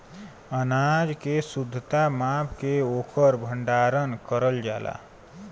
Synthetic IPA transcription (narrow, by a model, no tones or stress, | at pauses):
ənad͡ʒkesud̪ʱːət̪amapʰkeoːkʰəɾbʱəɳɖaɾənkəɾəld͡ʒa̰ːla̰